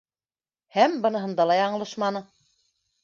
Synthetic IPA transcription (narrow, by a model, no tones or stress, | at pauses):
hæmbɤ̆nɤ̆ɦɤ̆nd̪ɑlˠɑjɑɴɤ̆lˠɤʃmɑnɤ